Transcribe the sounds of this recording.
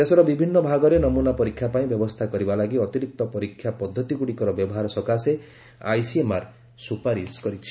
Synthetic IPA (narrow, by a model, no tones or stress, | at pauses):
esɔɾɔbibʱinːɔbʱaɡɔɾenɔmunapɔɾikʰːjapaĩbjɔbɔst̪ʰakɔɾibalaɡiɔt̪iɾik̚t̪ɔpɔɾikʰːjapɔd̪ʱːɔt̪iɡuɽikɔɾɔbjɔbɔɦaɾɔsɔkase | a̰jsiemaɾ | supaɾiskɔɾit͡ʃʰi̥